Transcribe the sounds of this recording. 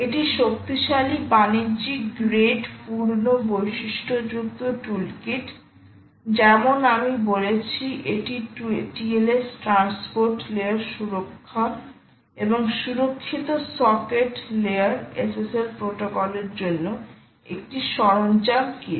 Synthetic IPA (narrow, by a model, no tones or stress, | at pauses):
eʈiʃok̚t̪iʃalibaniɾd͡ʑikɡɾeɖpuɾnobojʃiʃʈʰod͡ʑukt̪oʈulkiʈ | d͡ʑɛmonamibolet͡ɕʰiʔeʈiʈielesʈɾanspoɾʈleaɾʃuɾokʰːa | eboŋʃuɾokʰːit̪osɔkeʈleaɾeseselpɾoʈokɔleɾd͡ʑonːo | ek̚ʈiʃɔɾont͡ɕamki